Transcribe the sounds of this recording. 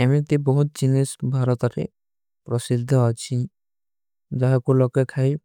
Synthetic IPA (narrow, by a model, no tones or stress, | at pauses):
amit̪ebɔɦut̪̚d͡ʒinisbʱaɾɔt̪ɔɾḛ | pɾɔsid̪ʱːɔɦɔt͡ʃʰi | d͡ʒɔɦekulɔkekʰai